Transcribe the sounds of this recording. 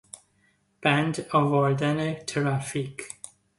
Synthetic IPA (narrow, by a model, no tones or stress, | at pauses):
b̥æ̃ndɔvɔɹdɛnɪktʰɹafik